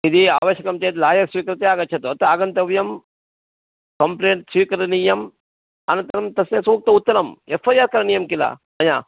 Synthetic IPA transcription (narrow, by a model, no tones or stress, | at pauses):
id̪iaːʋɐʃjɐkɐmt͡ʃeːt̪laːjɐɾsʋiːkɾit̪eaːɡɐtːt͡ʃʰɐt̪ot̪ɐaːɡɐnt̪ɐʋjɐm | kɐmpleːɳʈswiːkɐɾɐnijɐm | ɐnɐnt̪ɐɾɐmt̪ɐsesuːk̚t̪ɐut̪ːɐɾɐmefʰaːjaːɾkɐɾɐnijɐmkila̰ː | ɐjaː